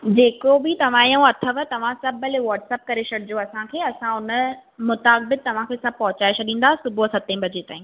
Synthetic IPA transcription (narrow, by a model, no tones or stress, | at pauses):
d͡ʑeːkobɪt̪ɐʋ̤ãjũɐt̪ʰəʋət̪ɐʋ̤ãsɐbʱɐlʋɔːʈsɛːp̚kɐɾesʰɐɽɪd͡ʑoɐsãkʰeːɐsãʊnə̆mʊt̪aːk̚bɪd̪̚t̪ɐʋ̤ãkʰeːsɐb̚pɐɦʊt͡ɕaːɪʃɗĩːn̆d̪aːɦsʊbʱosɐt̪ẽbʱɐd͡ʑet̪a̰ːɦĩ